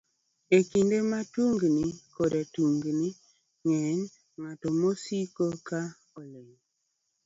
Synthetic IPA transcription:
ekindematuŋɡnikɔdatuŋɡni | ŋɛn | ŋatɔmosikoka | oleŋ

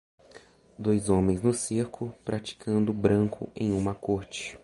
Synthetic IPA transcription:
d̪ojzõmẽj̃znʊsiɾkʰʊpɾat͡ʃi̥kʰɐ̃nd̪ʊbɾɐ̃ŋkʰʊ̰ḛ̃j̃ũmɐkoɾt͡ʃɪ̥

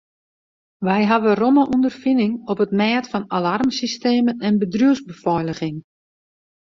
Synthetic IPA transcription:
ʋɛjɦaʋəroməʔundərfinɪŋɔpətmɛːtfɔnalarmsisteːmənɛnbədrjuəsbəfɔjləɣɪŋ

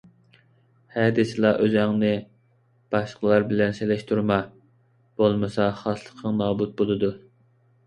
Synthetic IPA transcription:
hɛd̪ɪsɨlˠɑʔøzæŋnɪ | b̥ɑʃqʰəlˠɑɾbɪlɛnselɛʃt̪ʰuɾmɑ | b̥olˠmɨsɑχɑslˠəqʰəŋnɑːbut̪̚bolˠɨd̪u

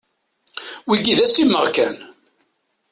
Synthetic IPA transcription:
wiɡiðæsimːəʁkæn

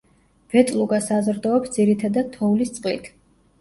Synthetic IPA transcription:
v̥ɛt̪ʼlˠuɡasazɾd̪ɔɔpsd̪z̥iɾit̪ʰad̪ad̪̚t̪ʰɔulist̪sʼqʼlḭt̪ʰ

